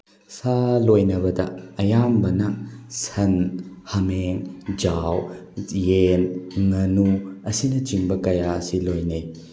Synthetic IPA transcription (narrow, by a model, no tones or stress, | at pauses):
salojnɐbɐdɐ̰ɐjambɐnɐsɐnhɐmeŋd͡ʒawjenŋɐnuɐsinɐt͡ʃiŋbɐkɐjaɐsilojnej